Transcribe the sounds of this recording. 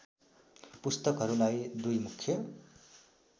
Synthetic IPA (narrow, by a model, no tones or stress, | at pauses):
pust̪ʌkɦʌɾulajd̪ujmukʰːjʌ